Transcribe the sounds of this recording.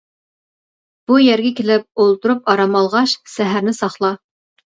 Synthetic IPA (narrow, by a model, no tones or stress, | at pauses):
b̥ujæɾɡʲækʲilɪp̚olˠt̪ʊɾupɑɾɑmɑlˠʁɑʃsæɦæɾnɪsɑχlˠɑ